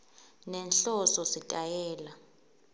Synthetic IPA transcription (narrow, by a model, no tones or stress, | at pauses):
nɛnɬɔsɔsitʼajɛːla